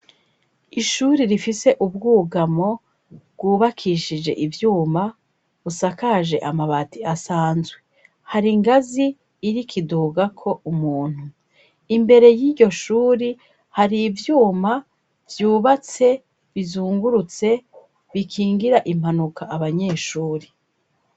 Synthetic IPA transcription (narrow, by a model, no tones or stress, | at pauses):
iʃuɾiɾifise̞ʔub̚ɡuːɡamo̞ | bɡuːβakʰiʃid͡ʒe̞̰ʔivjuːma | βusakaʒe̞ʔamaβatiasaːnzwe | haɾiŋɡaziː | ɾikʰiduɡakʰo̞ʔumuːn̥hu | imbe̞ɾe̞jiːɟo̞ʃuːɾi | haɾivjuːma | vjuːβat͡se̞ | βizuːŋɡuɾut͡se̞ | βikʰiːŋɡiɾaʔim̥hanukʰaʔaβaɲe̞ːʃuːɾi